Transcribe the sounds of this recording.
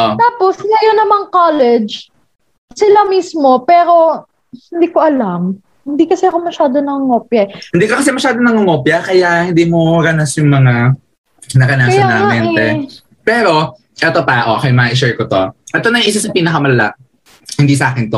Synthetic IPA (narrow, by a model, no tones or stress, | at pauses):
ʔt̪aːposɐjonɐmaŋkaːlɛd͡ʒ | sɪlamiːsmo̞pɛːɾo̞ | hɪnd̪iːkoʔɐlam | hɪnd̪iːkɐsɛɐkomɐʃaːd̪onɐŋɐŋoːpjɐhɪnd̪iːkokɐs̬ɛmɐʃaːd̪onɐŋɐŋoːpjɐkɐjaʔhɪnd̪iːmoɾanɐsjʊŋmɐŋa | nɐkɐnakɐsjanaːmɛnt̪ɛ | pɛːɾo̞ | ʔɛt̪ot̪aːʔo̰kɐjmɐɐʔɪʃɛɹkot̪oʔɛt̪onɐŋʔɪs̬ɐsɐpiːnɐkɐmɐlɐla̰ʔ | hɪnd̪iːs̬ɐʔaːkɪnt̪o